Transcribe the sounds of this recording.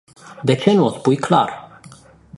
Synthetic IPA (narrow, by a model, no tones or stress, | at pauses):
d̪e̞t͡ʃe̞nuospujkla̰r